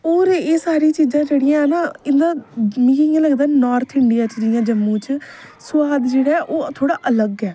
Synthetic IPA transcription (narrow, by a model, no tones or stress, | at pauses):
oːɾeːsaːɾiːt͡ʃiːzãːd͡ʒeːɽɪjãːɛːnaːɪnd̪ãːmiːiãləɡd̪aːnɔːɾt̪ʰɪɳɖɪijaːt͡ʃd͡ʒɪjãːd͡ʒəmːũːt͡ʃ | sʊʋaːd̪d͡ʒeːɽaːɛːʔoːt̪ʰoːɽaːʔələɡɛː